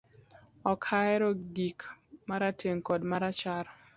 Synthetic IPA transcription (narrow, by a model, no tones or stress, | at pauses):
ɔkʰaɛɾɔɡikmaɾatʰeŋkɔdmaɾat͡ʃaɾ